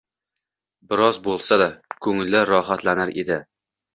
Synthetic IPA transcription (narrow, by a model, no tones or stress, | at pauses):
bɪɾɒzbolˠsad̪akʰɵŋɪlːɪɾɒɦat̪lanɪɾed̪ɪ